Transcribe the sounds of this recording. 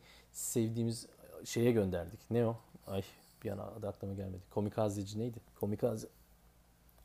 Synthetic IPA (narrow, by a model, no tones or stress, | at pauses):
sɛvd̪iːmizʃe̞jɛɟø̞nd̪æɾd̪icnejoaj | bija̰na̰ad̪aklˠamaɟælʲme̞d̪i̥kʰo̞mikʰazʲed͡ʒinejd̪ɪkʰo̞mikʰaz